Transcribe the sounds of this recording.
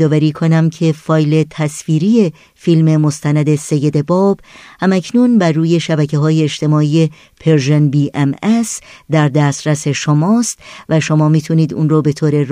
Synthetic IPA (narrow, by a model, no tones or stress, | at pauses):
d̪ɒːvæɾiːkʰonæmcʰe̞fɒːjle̞t̪ʰæsfiːɾije | filme̞mo̞st̪ʰænæd̪e̞se̞jːe̞d̪e̞bɒːb̥hæmæcʰnunbæɾːuːje̞ʃæbæcʰe̞ɦɒːjeːʃt̪ʰe̞mɒːije̞ | pʰeɾʒenbiːʔemesd̪æɾd̪æst̪ɾæse̞ʃomɒːst̪væʃomɒːmiːt̪ʰuniːd̪ṵnrobe̞t̪ʰoːɾe̞ɾ